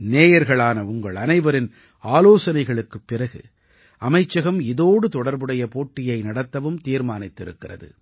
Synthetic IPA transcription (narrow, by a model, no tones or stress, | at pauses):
neːjɐɾɣɐɭaːnɐʊŋɡɐɭɐnɐɪʋɐɾɪn | aːloːsɐnɐɪɣɐɭɯkːɯpːɪrɐɣɯ̰ | ʔɐmɐɪt͡ʃːɐɣɐmɪðoːɽɯt̪ɔɽɐɾbɯɽɐjɐpoːʈːɪjɐɪnɐɽɐt̪ːɐʋɯmt̪iːɾmaːnɪt̪ːɪɾɯ̰kːɪrɐ̰ðɯ̰